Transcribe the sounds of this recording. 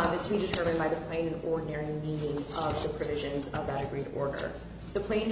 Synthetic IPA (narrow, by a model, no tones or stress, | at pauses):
nðɪsb̥idɨtʰɜ˞mɨ̃nbaɪðɨpʰl̥ẽɪ̃nɨ̃nɔɹdⁿn̩ɛɹimĩnɪ̃ŋʌvðɨpʰɹ̥ɨvɪʒɨ̃nzʌ̰vðɨt̚dɨɡɹiɾɔ̰ɹɾə̰˞ | ðɨpʰl̥ẽɪ̃n